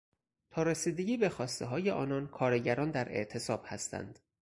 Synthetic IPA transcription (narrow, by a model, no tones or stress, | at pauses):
t̪ʰɒːɾesiːd̪e̞ɟiːbe̞xɒːst̪e̞ɦɒːje̞ʔɒ̰ːnɒːnkʰɒːɾeɟæɾɒːnd̪æɾʔe̞̰ʔt̪ʰe̞sɒːb̥hæst̪ʰæ̰nd̪̥